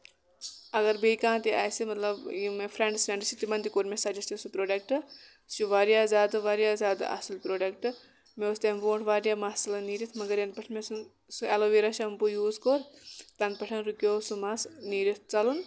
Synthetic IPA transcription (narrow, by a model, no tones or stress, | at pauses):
ɐɡɐɾbekãːt̪iʔa̰ːjsimɐt̪lɐbjimefʰɾeɳɖsɾeɳɖsit̪imɐnd̪ikoːɾmẽsɐd͡ʒɐst̪isupɾoːɖɐk̚ʈɨ | t͡ʃuʋaːɾijaːzjaːd̪ɨʋaːɾjaːzʲjaːd̪a̰ʔɐ̰silpɾoːɖɐkʈɨ | meost̪emboːɳʈʰʋaːɾjaːmaːsɐlɐniːɾit̪ʰmɐɡɐɾjɐnpɐʈʰmesun | suɛloʋiːɾɐʃɐmbujuːzkoːɾt̪ɐnpɐʈʰɐnɾukjoːsumasniːɾit̪̚ʰt͡sɐlun